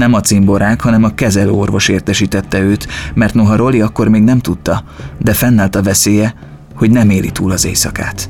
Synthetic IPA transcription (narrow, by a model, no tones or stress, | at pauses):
nɛmɒt̪simbo̞ɾaːkhɒnɛmɒkɛzɛlø̰ːorvo̞ʃeːrt̪ɛʃiːt̪ɛt̪ːɛøːt̪mɛrt̪no̞ɦɒɾo̞liɒkːo̞rmeːɡnɛmt̪ut̪ːɒd̪ɛfɛnːaːlt̪ɒvɛseːjɛ | ho̞ɟnɛmeːlḭt̪uːlɒzḛːjsɒka̰ːt̪